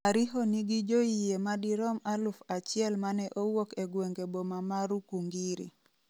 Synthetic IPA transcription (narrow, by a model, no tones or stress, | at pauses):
aɾiɦoniɡid͡ʒoijemadiɾɔmalufat͡ʃɪɛlmanɛʔowokeɡweŋɡebomamaɾukuŋɡiɾḭ